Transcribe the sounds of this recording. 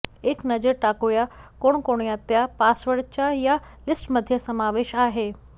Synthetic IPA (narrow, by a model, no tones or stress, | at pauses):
eknɐd͡ʑəɾʈaːkujakoːɳ̃koːɽ̃iat̪japaːsʋəɽt͡ɕaja | lɪsʈmɐd̪ʱjəsɐmaːʋeːʃaːɦeː